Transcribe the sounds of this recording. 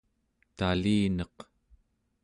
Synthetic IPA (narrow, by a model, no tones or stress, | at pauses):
t̪aliːnʌq